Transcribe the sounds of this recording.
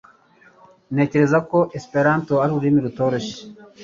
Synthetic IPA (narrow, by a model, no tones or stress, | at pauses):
ne̞ːce̞ɾe̞zako̞ʔespe̞ɾaːntoaɾiɾuɾimiɾuto̞ːɾo̞ʃe̥